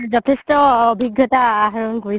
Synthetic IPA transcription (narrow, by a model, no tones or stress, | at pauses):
zɔtʰɛstɔobʱiɡːjɔtaːɦaɹɔnkoɹi